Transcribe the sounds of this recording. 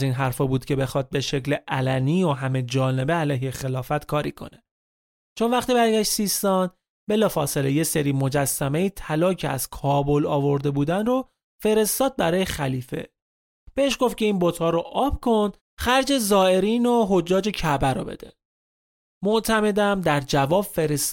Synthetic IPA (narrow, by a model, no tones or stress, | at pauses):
iːnɦæɾfɒːbuːd̪̥cʰe̞be̞xɒd̪̚beʃe̞cleʔælæniːoɦæmed͡ʒɒːne̞beælɒːjɦexe̞lɒːfæt̪kʰɒːɾḭkʰo̞̰ne | t͡ʃʰo̞nvæχt̪iːbæɾɟæʃt̪sist̪ɒːn | be̞lɒːfɒːse̞le̞je̞seɾiːmo̞d͡ʒæsːæme̞iːt̪ʰælɒːcʰeæ̰z̥kʰɒːbo̞lɒːvo̞ɾd̪e̞buːd̪ænro | fe̞ɾe̞st̪ɒːd̪̚bæɾɒːjexæliːfe̞̰ | b̥e̞eʃɡo̞ft̪̚cʰe̞iːnbot̪ʰhɒːɾoʔɒːb̥kʰo̞nd̪̥ | xæɾd͡ʒe̞zɒːe̞ɾiːnoɦo̞d͡ʒːɒːd͡ʒe̞cʰæbæɾo̰be̞̰d̪e | moʔt̪ʰæme̞d̪æmd̪æɾd͡ʒævɒːbfe̞ɾes